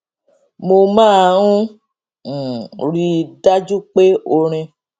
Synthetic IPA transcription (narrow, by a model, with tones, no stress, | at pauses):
mo˧mãː˦˨ŋũ˦˨ | ɾi˨da˦d͡ʒu˦k͡pe˦o˧ɾ̃ẽ˧